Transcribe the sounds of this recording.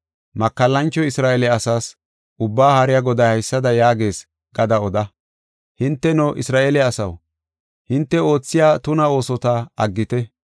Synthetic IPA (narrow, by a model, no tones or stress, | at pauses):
mɐkːɐlːɐnt͡ʃːɔɪsɾaːʔelɛɐsaːs | ʔʊbːaːhɐɾɪjaɡɔd̪ɐjhɐjsːɐd̪ɐjaːɡe̞ːs | ɡ̥ɐd̪ɐɔd̪ɐ | hɪnt̪ːɛnɔʔɪsɾaːʔelɛɐsɐ̰w | hɪnt̪ːɛo̞ːt͡sːɪjaːt̪ʊnɐo̞ːsɔt̪aɐɡːɪt̪ɛ